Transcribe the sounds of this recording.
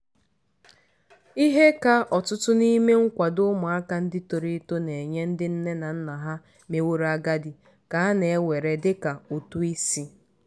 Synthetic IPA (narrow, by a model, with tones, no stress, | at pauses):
i˦ɦe˦ka˦ʔɔ˨tʊ˦tʊ˦ni˦me˦ŋ̩˦kʷa˨dʊ˦mʊ˨a˦ka˦n̩˦dɪ˦to˨ɾi˦to˦ne˨ɲe˦n̩˦dɪ˦n̩˦ne˦na˨n̩˦na˨ɦa˦ | me˦wo˦ɾa˦ɡa˦dɪ˨ | ka˨a˦ne˨e˦we˨ɾe˨dɪ˦ka˨o˨tu˦i˦si˦